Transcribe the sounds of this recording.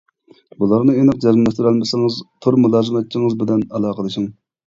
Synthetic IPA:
bulˠɑɾnɨenəq̚d͡ʒɛzmlɛst̪yɾɛlmɪsɪŋɨzt̪ʰuɾmulˠɑːzɨmɛt̪̚t͡ʃʰːiŋɨzbɪlɛnɛlˠɑːqəd̪ɨʃɪŋ

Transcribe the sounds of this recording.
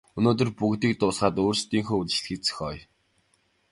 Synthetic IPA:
ɵnoːt̪ɵ̆rpuɣt̪iːk̚t̪ʊːɮχaːt̪oːrst̪iːŋxoːuɮ̆t͡ɕɮxiːkt͡sɘ̥̆xʲɔːj

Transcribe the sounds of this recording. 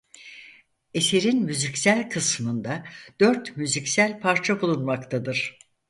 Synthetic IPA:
e̞seɾinmyzicsælʲkʰɯsmɯnd̪ad̪̥øɾt̪myzicsælʲpʰaɾt͡ʃʰabulˠunmakt̪ʰad̪ɯɾ̥

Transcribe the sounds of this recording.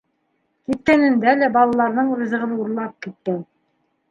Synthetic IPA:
kit̪̚kænɘ̆nd̪ælæbɑlˠɑlˠɑɾðɤɴɾɤ̆zɤ̆ʁɤ̆nuɾlˠɑp̚kit̪̚kæn

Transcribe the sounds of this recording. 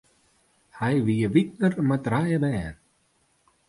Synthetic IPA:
hajviːəvit̪̚nəɾmad̪ɾajəbɛːn

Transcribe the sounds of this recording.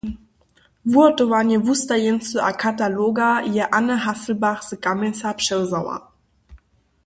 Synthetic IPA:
vuɐtɔvanəvustajɛnsəʔakʰataloɡajɛʔanəɦasl̩baχz̥əkamɛsapʃɛwzawa̰

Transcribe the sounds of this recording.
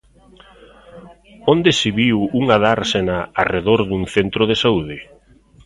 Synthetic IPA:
ond̪esɪβiwuŋaðaɾsenaareðoɾðuŋθent̪ɾoðesauðɪ

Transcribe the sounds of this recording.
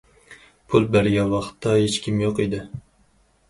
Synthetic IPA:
pʰulˠbæɾjʲɑwɑχt̪ʰːɑhet͡ʃkʲʰimjoqid̪ɪ

